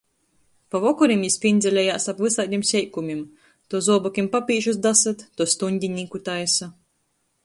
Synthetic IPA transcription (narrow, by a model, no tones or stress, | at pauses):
pavɔkuɾimjisʲpʲind̪zʲɛlʲɛjaːsapvɨsaːd̪ʲimsʲɛjkumʲim | t̪uɔzuɔbɔkʲimpapʲiːʒus̬d̪asat̪ːuɔst̪unʲd̪ʲiɲʲikut̪ajsa